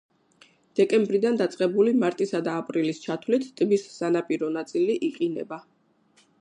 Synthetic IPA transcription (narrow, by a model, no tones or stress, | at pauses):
d̪̥ɛkʼɛmbɾid̪and̪at̪sʼqʼɛbulimaɾt̪ʼisad̪aːpʼɾilist͡ʃʰat̪ʰlit̪ʰt̪ʼbisːanapʼiɾɔnat̪sʼiliʔiqʼinɛ̰ba